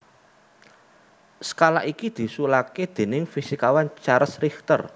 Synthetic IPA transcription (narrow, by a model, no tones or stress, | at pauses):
sə̥kalaʔikid̪̥i̤sulaked̪̥e̤nɪŋfisikawant͡ʃaɾəsrixt̪ər